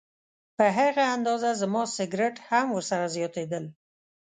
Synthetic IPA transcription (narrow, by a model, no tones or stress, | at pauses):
pəɦaɣaand̪ɑzazmɑsɪɡɾɪʈhamwəɾsaɾazjɑt̪ed̪əl